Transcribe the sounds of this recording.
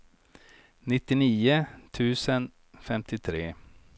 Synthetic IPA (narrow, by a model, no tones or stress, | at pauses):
nɪt̪ːɪniːət̪ʰʉ̟ːsən | fɛmt̪ɪt̪ʰɾeː